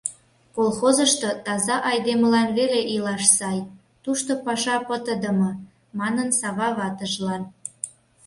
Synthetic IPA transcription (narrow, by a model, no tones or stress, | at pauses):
kolˠxozəʃt̪ot̪ɑzɑʔɑjd̪eməlɑnβeleʔilɑʃsɑj | t̪uʃt̪opɑʃɑpət̪əd̪ə̆mɤ̆ | mɑnənsɑβɑβɑt̪əʒlɑn